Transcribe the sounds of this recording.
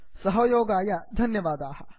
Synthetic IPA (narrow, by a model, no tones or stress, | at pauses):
sɐɦɐjoːɡaːjad̪ʱɐnjɐʋaːd̪aːhɐ